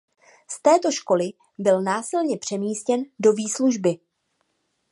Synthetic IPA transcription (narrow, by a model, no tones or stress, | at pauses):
st̪ɛːt̪o̞ʃko̞lɪ | bɪlnaːsɪlɲɛpr̝̥ɛmiːscɛndo̞viːsluʒbɪ